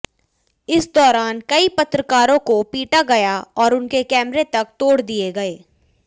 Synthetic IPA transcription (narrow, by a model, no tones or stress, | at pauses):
ɪsd̪ɔːɾaːnkɐipɐt̪ɾəkaːɾõkopiːʈaɡɐjaɔːɾʊnkekɛːmɾet̪ɐk̚t̪oːɽd̪ieɡɐeː